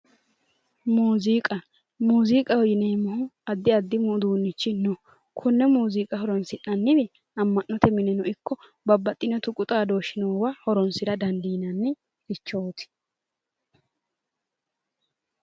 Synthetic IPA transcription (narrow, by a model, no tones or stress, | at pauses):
muːziːkʼɐ | muːziːkʼɐhɔjɪneːmɐhʊɐd̪ːɪɐd̪ːɪmʊd̪uːnːɪt͡ʃːɪnɔ | kʰʊnːɛmuːziːkʼɐhɔɾɔnsɪnːɐnːɪd̪ɛ | ɐmːɐnːɔt̪ɛmɪnɪnɔɪkːɔ | bɐbːɐt̪ʼːɪnɔt̪ʊkʼʊt̪ʼaːd̪o̞ːʃɪnoːwahɔɾɔnsɪɾɐd̪ɐnd̪iːnɐnːɛ | ɪt͡ʃːoːt̪ɪ̥